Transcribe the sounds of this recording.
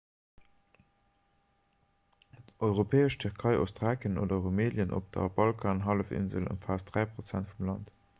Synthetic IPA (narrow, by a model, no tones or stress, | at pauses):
tʔɔʏʁopʰeːəʃtʰyʁkʰɑɪʔo̰stʁaːkəno̰ːdɐʁomeːljənʔo̰p̚d̥ɐ̰bɑlkʰaːnɦɑləfɪ̰nzə̰lə̰nfaːsd̥ʁæɪpʁot͡sæntfumlɑnt